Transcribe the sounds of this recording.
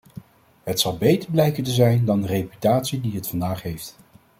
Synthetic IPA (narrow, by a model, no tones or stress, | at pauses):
ɦətsɑlˠbejtəɹblɛjkəntəzɛjndɑndərejpy̥taːtsidiɦətfɑndaːχɦejft